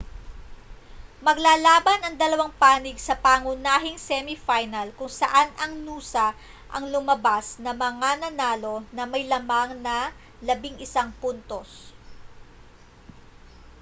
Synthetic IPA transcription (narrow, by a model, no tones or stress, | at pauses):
mɐɡlaːlaːbɐnɐŋd̪ɐlɐwaŋpaːnɪɡsɐpaːŋʊnaːɦɪŋsɛmifajnɐlkʊŋsɐʔanɐŋnuːsɐ | ʔɐ̰ŋlʊmɐbasnɐmɐŋanɐnaːlo̞nɐmɐjlɐmaŋnɐ | lɐbɪŋɪsaŋpunt̪o̞s